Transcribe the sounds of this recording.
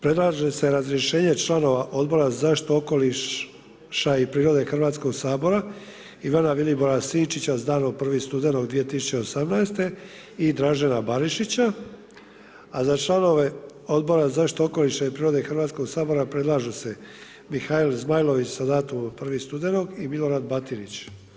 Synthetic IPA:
pɾe̞d̪laːʒe̞se̞ɾazɾje̞ʃe̞ːɲe̞t͡ʃlˠano̞ʋaʔo̞d̪̚bo̞ɾazaʃt̪ooko̞li | ʃaipɾiːɾo̞d̪e̞xrʋaːt̪sko̞ɡsaːbo̞ɾa | iʋanaʋilibo̞ɾasiːnt͡ʃit͡ɕazd̪aːnopr̩ʋist̪ud̪e̞no̞ɡd̪ʋijet̪isu̥t͡ɕe̞osamnaest̪e̞ | id̪ɾaːʒenabaɾiʃit͡ɕa | azat͡ʃlano̞ʋe̞ | o̞d̪bo̞ɾazaʃt̪ooko̞liʃaipɾiːɾo̞d̪exr̩ʋaːt̪sko̞ɡsaːbo̞ɾapɾe̞d̪lˠaːʒese̞ | mixailzmajlˠo̞ʋit͡ɕsad̪aːt̪umpr̩ʋist̪ud̪e̞no̞ɡimilo̞ɾad̪bat̪iɾit͡ɕ

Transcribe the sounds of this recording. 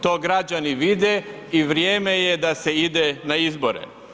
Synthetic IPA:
t̪o̞ːɡɾad͡ʒaniʋid̪e | iʋɾjeːmejed̪aseid̪enaizboɾḛ

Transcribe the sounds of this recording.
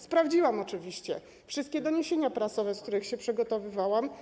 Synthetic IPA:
spɾavd͡ʑiwamɔt͡ʂɘvʲiɕt͡ɕɛ | fʂɘst̪kʲɛd̪ɔɲeɕeɲapɾasɔvɛsk̚t̪uɾɘxɕɛpʂɘɡɔt̪ɔvɘvawam

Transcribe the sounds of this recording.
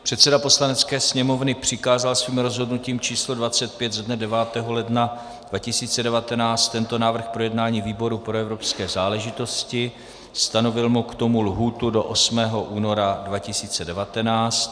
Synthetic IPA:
pr̥ɛt̪sɛdapo̞slanɛt͡skɛːsɲɛmo̞vnɪpr̝̥ɪkaːzalsviːmɾo̞zɦo̞dnuciːmt͡ʃiːslodvat͡sɛt̪̚pjɛd̪zadnɛdɛvaːt̪ɛːɦo̞lɛdna | d̥vacɪsiːt͡sɛdɛvat̪ɛnaːt͡st̪ːɛnt̪o̞naːvr̩xpɾo̞jɛdnaːɲiːviːbo̞ɾupɾo̞ɛvɾo̞pskɛːzaːlɛʒɪt̪o̞scɪ | st̪ano̞vɪlmukt̪o̞mulɦuːt̪udoʔosmɛːɦo̞ʔuːno̞ɾadvacɪsiːt͡sɛdɛvat̪ɛnaːt͡st̪

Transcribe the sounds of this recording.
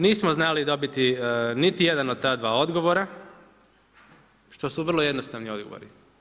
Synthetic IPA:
niːsmoznalid̪o̞bit̪init̪ijed̪anod̪̚t̪aːd̪ʋaːo̞d̪ɡo̞ʋoɾa | ʃt̪o̞suʋr̩lˠo̞je̞d̪nost̪aʋnio̞d̪̚ɡo̰ʋo̰ɾi

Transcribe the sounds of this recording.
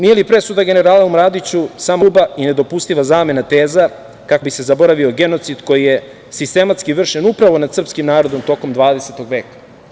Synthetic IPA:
nije̞lipɾe̞sud̪aɡe̞ne̞ɾaːlaumɾad̪it͡ɕusamobaine̞d̪o̞pust̪iʋazaːme̞nat̪e̞ːza | kako̞bise̞zabo̞ɾaʋio̞ɡe̞no̞t̪sid̪ko̞jije̞ | sist̪e̞mat̪skiʋr̩ʃenupɾaʋo̞nad̪sr̩pskimnaːɾo̞d̪o̞mt̪o̞ko̞md̪ʋaːd̪e̞se̞t̪o̞ɡʋe̞ːkḁ

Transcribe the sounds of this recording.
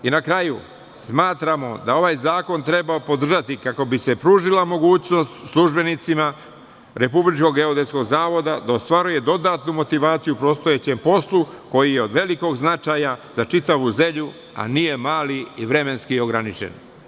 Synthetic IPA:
inakɾaju | smaːt̪ɾamo̞d̪ao̞ʋaːjzaːko̞nt̪ɾe̞baopo̞d̪r̩ʒat̪ikako̞bise̞pɾuːʒilamo̞ɡuːt͡ɕno̞st̪slˠuʒbe̞nit̪sima | ɾe̞publit͡ʃko̞ɡe̞od̪esko̞ɡzaːʋo̞d̪ad̪aost̪ʋaɾuje̞d̪o̞d̪at̪numo̞t̪iʋaːt̪sijupɾo̞ːst̪o̞jet͡ɕe̞mpo̞slˠuko̞jijeo̞d̪ʋe̞liko̞ɡznat͡ʃaːjazat͡ʃit̪aʋuze̞mʎu | a̰nije̞maːliiʋɾe̞me̞nskio̞ɡɾanit͡ʃḛn

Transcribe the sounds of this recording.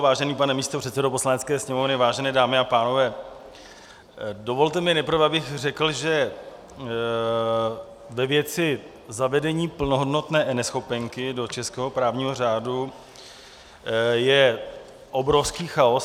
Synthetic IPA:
vaːʒɛniːpanɛmiːst̪opr̝̥ɛt̪sɛdopo̞slanɛtt͡skɛːsɲɛmo̞vnɪvaːʒɛnɛːdaːmɪapaːno̞vɛː | do̞vo̞lt̪ɛmɪnɛjpɾ̩vɛabɪɣr̝ɛkl̩ʒɛ | vɛvjɛt͡sɪ | zavɛdɛɲiːpl̩noɦodno̞t̪nɛːnɛsxo̞pɛŋkɪdo̞t͡ʃɛskɛːɦo̞pɾaːvɲiːɦo̞r̝aːdu | jɛ | ʔobɾo̞fskiːxao̞s

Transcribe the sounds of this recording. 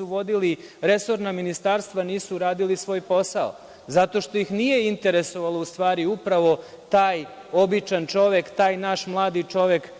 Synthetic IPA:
uʋo̞d̪iliɾe̞so̞ɾnaminist̪aːɾst̪ʋaniːsuɾaːd̪ilisʋo̞ːjpo̞sao̰ | zat̪o̞ʃt̪o̞jixnije̞int̪e̞ɾe̞so̞ʋalˠoust̪ʋaːɾiupɾaʋo̞ | t̪aːj | o̞bit͡ʃant͡ʃo̞ʋe̞kt̪aːjnaʃmlˠaːd̪it͡ʃo̞ʋje̞k

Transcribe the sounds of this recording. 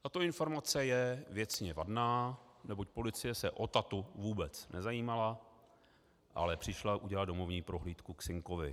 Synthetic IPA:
t̪at̪o̞ɪnfo̞ɾmat͡sɛjɛvjɛt͡sɲɛvadnaːnɛbo̞c̚po̞lɪt͡sɪjɛsɛʔo̞t̪at̪uvuːbɛt͡snɛzajiːmala | ʔa̰lɛpr̥ɪʃlaʔuɟɛlado̞mo̞vɲiːpɾo̞ɦliːt̪kuksɪŋko̞vɪ

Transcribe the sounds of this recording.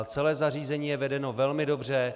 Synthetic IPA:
t͡sɛlɛːzariːzɛɲiːjɛvɛdɛno̞vɛlmɪdo̞br̝ɛ

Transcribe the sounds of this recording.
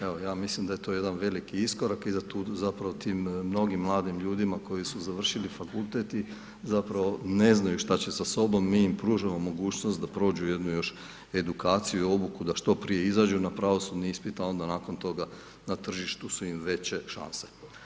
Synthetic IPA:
e̞ʋo̞jaːmislimd̪ajet̪o̞je̞d̪anʋe̞likiisko̞ɾakizat̪uːzapɾaʋo̞t̪iːmːno̞ɡimːlˠaːd̪imʎuːd̪imako̞jisuzaʋr̩ʃilifakulˠt̪et̪i | zapɾaʋo̞ne̞znajuʃt̪at͡ɕe̞saso̞bo̞mːiːimpɾuːʒamo̞mːo̞ɡuːt͡ɕnost̪d̪apɾo̞ːd͡ʑuje̞d̪nujo̞ʃ | e̞d̪ukaːt̪sijuio̞bukud̪aʃt̪o̞pɾije̞izad͡ʒunapɾaʋo̞sud̪niispit̪ao̞nd̪anaːko̞nt̪o̞ɡa | nat̪r̩ʒiʃt̪usuimʋe̞t͡ɕe̞ʃa̰nse̥

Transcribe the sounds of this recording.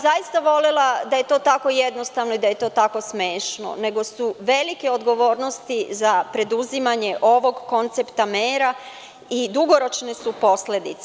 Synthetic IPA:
zajist̪aʋo̞lelad̪aje̞t̪o̞ːt̪ako̞jed̪no̞st̪aʋno̞id̪aje̞t̪o̞ːt̪ako̞smeːʃno̞̰ne̞ɡo̞suʋe̞like̞o̞d̪ɡo̞ʋo̞ːɾno̞st̪izapɾe̞d̪uzimaɲe̞ʔo̞ʋo̞ɡko̞nt̪sept̪ameːɾa | id̪uɡo̞ɾo̞t͡ʃnesupo̞sle̞d̪it̪s

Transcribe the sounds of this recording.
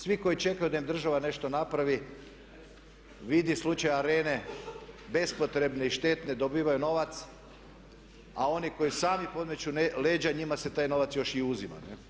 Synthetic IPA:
sʋiko̞jit͡ʃe̞kajud̪aimd̪r̩ʒaʋane̞ʃt̪o̞napɾaʋi | ʋid̪islˠut͡ʃajaɾeːne̞ | be̞spo̞t̪ɾe̞bneiʃt̪e̞t̪ne̞d̪o̞biːʋajuno̞ʋat̪s | ao̞niko̞jisaːmipo̞d̪met͡ɕueleːd͡ʒaɲimaset̪aːjno̞ʋat̪sjo̞ʃiuzima̰ne

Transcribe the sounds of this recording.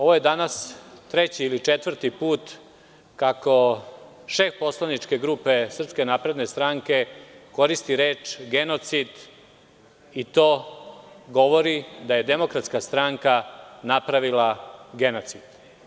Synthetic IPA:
o̞ʋoje̞d̪anast̪ɾet͡ɕiːlit͡ʂet̪ʋr̩t̪ipuːt̪ | kako̞ | ʃe̞fpo̞slˠanit͡ʂke̞ɡɾuːpe̞sr̩pske̞napɾe̞d̪ne̞st̪ɾaŋke̞ko̞ɾist̪iɾeːt͡ʃɡe̞no̞t̪sid̪ | it̪o̞ː | ɡo̞ʋo̞ɾid̪aje̞d̪emo̞kɾat̪skast̪ɾaŋkanapɾaʋilaɡe̞no̞t̪sid̪̥

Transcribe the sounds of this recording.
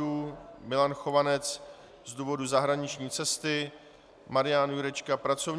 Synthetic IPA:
uːmɪlanxo̞vanɛt͡s | zduːvo̞duzaɦɾaɲɪt͡ʃɲiːt͡sɛst̪ɪ | maɾɪjanjuɾɛt͡ʃkapɾat͡so̞v

